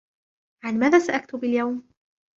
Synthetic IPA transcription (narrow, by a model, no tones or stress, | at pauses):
ʕanmaːðaːsaʔakt̪ʊbaljawm